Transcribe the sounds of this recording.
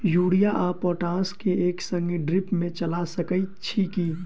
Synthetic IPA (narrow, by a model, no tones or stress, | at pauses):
juːɽijaʔaːpɔːʈãːskeeːksə̃ŋɡiɖɾɪpmẽt͡ʃəlasəkəit͡ʃʰiːkiː